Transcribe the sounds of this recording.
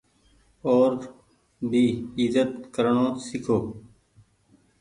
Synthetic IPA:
oːɾ | bʱiːɪzət̪kəɾɳõːsɪkʰoː

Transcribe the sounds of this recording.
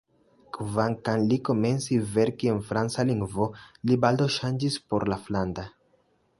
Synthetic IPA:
kvaŋkanliko̞me̞nsive̞ɾkie̞nfɾant͡saliŋɡvo̞libald̪oʃand͡ʒispo̞ɾlafland̪a

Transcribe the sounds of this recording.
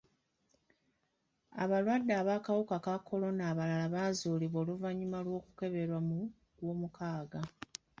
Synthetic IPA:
a̰βalwadːaːβakawukakakːo̞lo̞naːβalalaβaːzuːliβo̞ːluvaɲːumalwo̞ːkuke̞βe̞ɾwamu | lwo̞ːmukʰaːɡa

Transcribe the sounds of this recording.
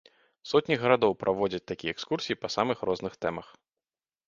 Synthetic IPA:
sɔt̪ʲnʲiɣɐɾad̪ɔwpɾʔavɔd͡zʲɐt͡sʲt̪akʲijɛɛkskursʲijipɐsamɨxrɔznɨxt̪ɛmɐx

